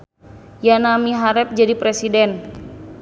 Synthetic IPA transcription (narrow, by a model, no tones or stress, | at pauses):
janamiɦaɾɛp̚d͡ʒadipɾesidɛn